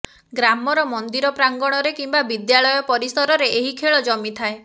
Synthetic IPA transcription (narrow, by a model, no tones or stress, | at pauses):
ɡɾamɔɾɔmɔnd̪iɾɔpɾaŋɡɔɽ̃ɔɾekimbabid̪jaɭɔjɔpɔɾisɔɾɔɾeeɦikʰeɭɔd͡ʒɔmit̪ʰae